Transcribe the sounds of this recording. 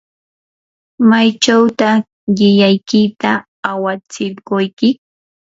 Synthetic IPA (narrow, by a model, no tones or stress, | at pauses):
majt͡ʃawt̪a | ɢɪʎajkɪt̪aː | wat͡sɪlɢojkɪ